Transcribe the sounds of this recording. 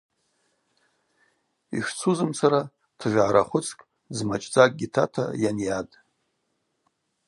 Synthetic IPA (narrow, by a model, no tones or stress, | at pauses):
ḭʃʷᶣt͡sʰuzɨmt͡sʰaɾa | tʰʒᶣʷʕaɾaχʷʊt͡sʰkʼ | zmat͡ʃʼd͡zʼak̚ʼɡʲitʰa̰tʰa̰janjadʼ